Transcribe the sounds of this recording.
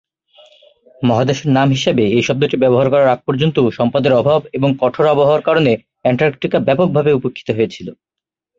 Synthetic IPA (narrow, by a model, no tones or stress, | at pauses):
mɔɦad̪eʃeɾnamɦiʃebeejʃɔb̚d̪oʈibɛboɦaɾkɔɾaɾak̚pɔɾd͡ʑont̪oʃɔmpad̪eɾɔbʱabeboŋkɔʈʰoɾɔboɦaaɾkaɾone | ɛɳʈaɾkʈikabɛpok̚bʱabeupokʰːi̥t̪oɦoet͡ɕʰilo